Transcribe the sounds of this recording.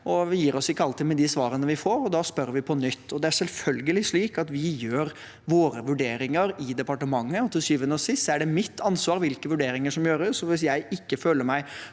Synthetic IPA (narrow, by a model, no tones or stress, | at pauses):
ʔɔʋɪjiːɾɔsɪkːəɑlt̪iːd̪mɛd̪ɪsʋɑːɾənəʋɪfoːɾɔd̪ɑspœɾəʋɪpʰɔnʏt̪ːɔd̪ɛæʂɛlfœlɡəlɪʂɭiːkɑt̪ʋɪjøːɾ | ʋoːɾəʋʉɖeːɾɪŋəɾɪd̪ɛpɑʈəmɑŋːəɔt̪ʰːɪsyːʋənəsɪst̪æɖɛmɪt̪ʰːɑnsʋɑːɾʋɪlkəʋʉɖeːɾɪŋəʂɔmjøːɾəsɔʋɪs̬jæɪʔɪkːəføːləɾmæɪ